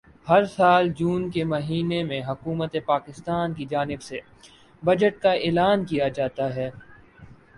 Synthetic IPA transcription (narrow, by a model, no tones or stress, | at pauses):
hɐɾsaːld͡ʒuːnkemɐɦiːnemẽɦɐkuːmət̪epaːkɪst̪aːnkid͡ʒaːnɪbse | bɐd͡ʒəʈ̚kaeːlaːnkijad͡ʒaːt̪aɦɛː